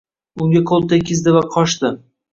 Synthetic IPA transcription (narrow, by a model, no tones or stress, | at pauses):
ʊŋɡʲaqʰolˠt̪ːakʲʰɪzd̪ɪvaqʰɒʃt̪ɪ